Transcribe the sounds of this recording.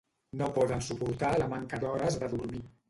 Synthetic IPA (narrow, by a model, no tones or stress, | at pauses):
nopɔðənsupuɾt̪aləmaŋkəd̪ɔɾəzðəðuɾmi